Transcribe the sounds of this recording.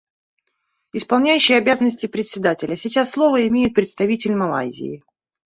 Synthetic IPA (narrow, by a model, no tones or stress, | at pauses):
ɪspɐlˠnʲæjʉɕːɪjəɐbʲazənːəsʲtʲɪpɾʲɪt̪sʲɪd̪atʲɪlʲəsʲit͡ɕasːlˠovəɪmʲejɪt̪̚pɾʲɪt̪st̪ɐvʲitʲɪlʲmɐlˠa̰zʲɪ̰ɪ